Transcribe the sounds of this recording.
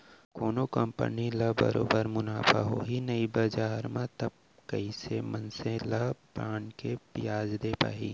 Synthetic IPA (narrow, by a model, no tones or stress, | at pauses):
koːnokɐmpə̰nilɐbɐ̰ɾo̰ːbəɾmʊnaːfa̰ɦo̰ːɦinɐibɐd͡ʒaːɾmãt̪ɐb̚ | kɐisemɐnsẽlɐpɾaːnkepɪjaːd͡ʒd̪eːpa̰ːḭː